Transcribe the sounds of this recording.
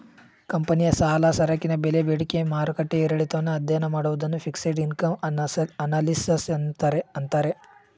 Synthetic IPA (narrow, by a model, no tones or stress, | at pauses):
kɐmpɐnijɐsaːlasɐɾɐkːinɐbelebeːɽikemaːɾukɐʈːeiɾɐɭit̪ɐʋɐnːuɐd̪ʱjɐɐnɐmaːɽuʋud̪ɐnːupʰiksɐjɖinkɐmɐnaːlisɐsɐnt̪aːɾeɐnt̪aːɾe